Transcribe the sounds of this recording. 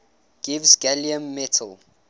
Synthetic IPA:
ɡ̥ivsɡɛliə̃mːɛtʰəl

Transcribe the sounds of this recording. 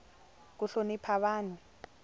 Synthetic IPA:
k̬uɬonipʰaɓaːni

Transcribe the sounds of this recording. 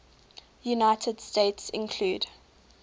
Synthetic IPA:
junaɪtʰəd̥steɪtsɪ̰̃nkʰl̥uːd

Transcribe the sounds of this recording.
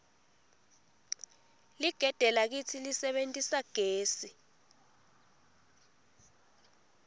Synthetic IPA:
liɡ̥ʱɛd̥ʱɛlak̬it͡sʰilisɛɓentʼisaɡ̥ʱeːsi

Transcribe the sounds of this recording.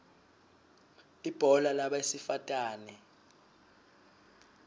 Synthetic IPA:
ib̥ʱɔlalaɓaesifatʼaːnɛ

